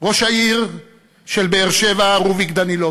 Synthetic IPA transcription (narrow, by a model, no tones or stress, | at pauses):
ʁo̞ʃaiʁ | ʃe̞lbeːʁʃevaːʁuvikd̪anilo